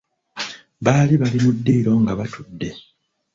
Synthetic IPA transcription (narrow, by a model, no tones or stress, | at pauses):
βaːliβalimudːiiɾo̞ŋɡaβatʰudːe̞